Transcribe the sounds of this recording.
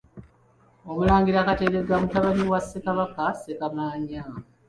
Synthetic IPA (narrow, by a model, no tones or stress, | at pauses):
omulaːɲɡiɾaːkateɾe̞ɡamutaβaniwasːekaβakasekamaːɲa